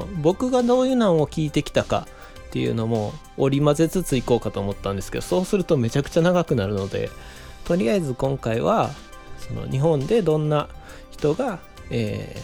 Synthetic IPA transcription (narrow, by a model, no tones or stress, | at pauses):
bo̞kɯ̟ɡad̪o̞ːjɯnãɰ̃o̞kʲiːt̪e̞kʲi̥t̪aka̰ | t̪ːe̞jɯ̟̰ːno̞mo̞ː | ɾʲimaze̞t͡sɨt͡sɨiko̞ːkat̪o̞ːmo̞t̪ːãnd̪e̞sɨ̥ke̞d̪̥o̞so̞ːsɨɾɯ̟t̪o̞me̞t͡ɕakɯ̟̥t͡ɕanaɡakɯ̟naɾɯ̟no̞d̪e̞̰ | t̪o̞ɾʲiaezɨkõ̞ŋkaiβa | so̞no̰ɲ̟iɦõ̞nd̪e̞d̪õ̞nːa | çi̥t̪o̞ɡa | ḛː